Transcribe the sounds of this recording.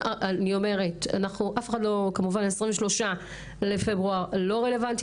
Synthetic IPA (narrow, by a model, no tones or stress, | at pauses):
anio̞me̞ʁe̞ta̰naχnuʔafexadlo̞kamuvanesʁĩɱveʃlo̞ʃa | le̞febʁuaʁlo̞ʁele̞vant